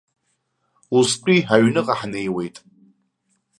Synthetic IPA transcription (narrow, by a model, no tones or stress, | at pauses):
uspʷʼiɦaɥnɨqʼaħne̞jwe̞jtʼ